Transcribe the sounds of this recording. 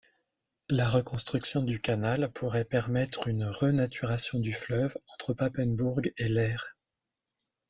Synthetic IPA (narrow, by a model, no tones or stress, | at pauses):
laʁəkɔ̃st̪χyksjɔ̃d̪ykanalpʰuʁɛpɛʁmɛt̪χynʁənat̪ʰyʁasjɔ̃d̪yflœvɑ̃t̪χəpapɛnbuʁɡelɛːʁ